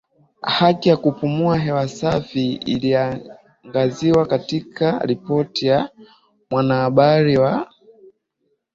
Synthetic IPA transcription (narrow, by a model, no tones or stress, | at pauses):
hakijakupumuaɦɛwasafiḭlia | ŋɡaziwakatikʰaɾipɔtija | mwanahaɓaɾiwa